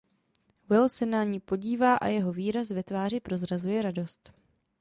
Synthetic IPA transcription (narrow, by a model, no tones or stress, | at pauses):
wɪlsɛnaɲiːpo̞ɟiːvaːʔa̰jɛɦo̞viːɾasvɛt̪vaːripɾo̞zɾazujɛɾado̞st̪